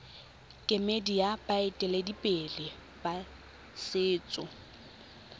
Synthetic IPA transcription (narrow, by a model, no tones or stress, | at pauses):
kʼɪmedijapʼaɪtʼɪledipʼelɪ | ba | sɪːt͡sʼʊ